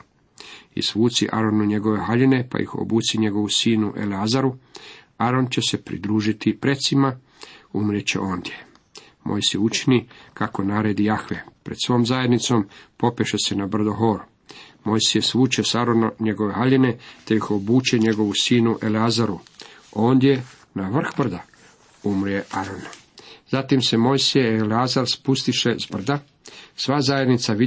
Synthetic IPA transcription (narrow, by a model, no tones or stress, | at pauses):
ḭsʋuːt̪siʔa̰ɾo̞nuɲe̞ɡo̞ʋe̞ɦaʎene̞pa̰jḭxo̰buːt̪siɲe̞ɡo̞ʋusiːnuʔe̞̰leazaɾu | aɾo̞nt͡ɕe̞se̞pɾḭd̪ɾuːʒit̪ipɾe̞t̪sima | umɾet͡ɕe̞̰ʔo̞ːnd̪je̞ | mʔo̞̰jsijeut͡ʃinikako̞naːɾed̪ijaxʋe̞pɾe̞d̪̥sʋo̞ːmzaje̞d̪nit̪so̞mpo̞pjeʃese̞nabr̩d̪oɦo̞ːɾ | mo̞jsijesʋuːt͡ʃesaɾonaɲe̞ɡo̞ʋeɦaʎene̞t̪ejixo̞buːt͡ʃe̞ɲe̞ɡo̞ʋusiːnuʔe̞leazaɾuoːnd̪je̞ | naʋr̩xbr̩d̪a | umɾjeaɾon | zat̪imse̞mo̞jsijeeleazaɾspust̪iʃe̞zbr̩d̪a | sʋazajed̪nit̪saʋi